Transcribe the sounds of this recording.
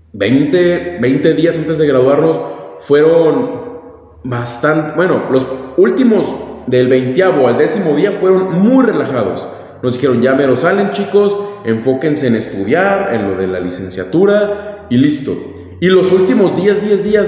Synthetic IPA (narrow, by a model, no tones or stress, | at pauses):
bejnt̪ebe̞jnt̪e̞ðiasant̪e̞zðe̞ɣɾaðwaɾno̞sfwe̞ɾo̞n | bast̪ant̪ebwe̞no̞̰lo̞sult̪imo̞zd̪elβe̞jnt̪jaβoald̪e̞simo̞ðiafwe̞ɾo̞nmujre̞laxað̞o̞̰s | no̞zd̪ixe̞ɾo̞nʝame̞ɾo̞sale̞nt͡ʃiko̞se̞ɱfo̞ke̞ns̬e̞ːne̞st̪uð̞jaɾḛnlo̞ðe̞la̰lise̞nsja̰t̪uɾailist̪o̞̰ | ilo̞sult̪imo̞zðjezðje̞zðias